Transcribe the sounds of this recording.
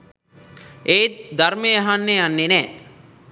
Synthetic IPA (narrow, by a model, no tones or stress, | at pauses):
eːd̪armeaɦanːejanːenɛː